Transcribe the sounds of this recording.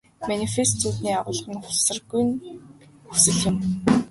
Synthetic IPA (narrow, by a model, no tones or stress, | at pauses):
manifest̪ʰuːt̪niːaʁʊːɮχə̆nχʊ̥ɮsə̆rɡujnxɵsɘ̆ɮjʊ̆m